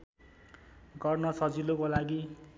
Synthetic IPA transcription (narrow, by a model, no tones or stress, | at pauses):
ɡʌrnʌsʌd͡zilokolaɡi